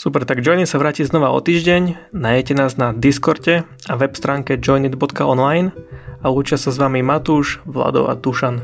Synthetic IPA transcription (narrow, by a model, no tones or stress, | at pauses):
supɛɾt̪aɡd͡ʒɔjnit̪saʋɾaːciznɔʋaɔ̰t̪iːʒɟɛɲ | naːjɛcɛnaːznad̪iskɔɾcɛ | aʋɛpst̪ɾaːŋkɛd͡ʒɔjnid̪bɔt̪kaɔnlajnaluːt͡ʃɪasazʋamimat̪uːʒʋla̰d̪ɔ̰ʊa̰t̪uʃan